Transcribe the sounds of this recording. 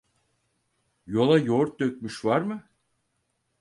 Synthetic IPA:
jo̞lˠajoɾt̪̚d̪øk̚ʲmyʃvaɾmɯ

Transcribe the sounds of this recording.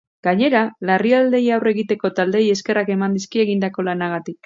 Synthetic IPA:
ɡ̥aɲe̞ɾalariald̪e̞jawre̞ɣit̪e̞ko̞t̪ald̪e̞je̞ske̞rake̞mand̪iskie̞ɣind̪ako̞lanaɣ̞at̪ik̚

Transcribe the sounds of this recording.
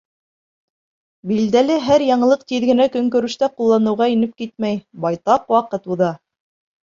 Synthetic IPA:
bild̪ælɘɦæɾjɑɴɤ̆lˠɤq̚t̪iðɡɘ̆nækɵ̆ŋkɵ̆ɾɵ̆ʃt̪æqulˠːɑnɤ̆wʁɑinɘp̚kit̪̚mæjbɑjt̪ɑqwɑqɤt̪uðɑ

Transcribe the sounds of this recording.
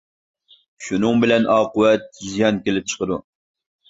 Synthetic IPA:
ʃunɨŋbɪlɛnʔɑːqʊwɛt̪̚zijɑnkʲelɪp̚t͡ʃʰə̥qəd̪u

